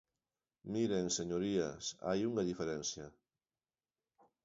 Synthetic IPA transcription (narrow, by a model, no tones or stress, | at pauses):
miɾeŋseɲoɾia̰sa̰juŋaðifeɾɛnθjɐ